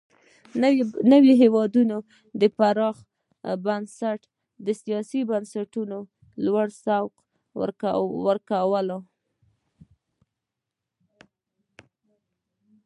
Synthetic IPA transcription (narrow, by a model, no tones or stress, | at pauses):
nəwiɦewɑd̪uno | d̪əpaɾɑx | bansaʈ | d̪əsijɑsibansaʈuno | lwaɽsawq | wəɾkawəlo